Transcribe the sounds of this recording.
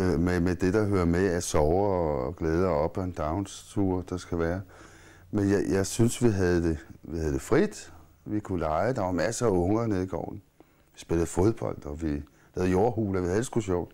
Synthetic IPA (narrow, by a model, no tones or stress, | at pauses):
memed̥e̝d̥ɑ̈ɦøɐmeæsɒʊːɡ̥leːð̞ˠɐɒ̽b̥ɒend̥ɑ̈ʊnst͡sʰuɐ̰d̥ɑsɡ̥æʋæːɐ | menjɑ̈ɪjɑ̈ɪsynsʋiɦæð̩ˠd̥e̝ʋihæð̞̩ˠd̥e̝fʁid̥ | ʋikʰulɑ̈ɪəd̥ɑmæsɐːɔ̽ŋɐneðˠiɡ̥ɒ̰ʊ̰n̩ | ʋisb̥e̝lð̩ˠfo̝ð̞ˠb̥ɒ̽l̰d̥ɒ̽ʋi | hæð̩ˠjo̝ːɐhṵlɒʋihæðˠd̥esɡ̥uɕɒʊ̰d̥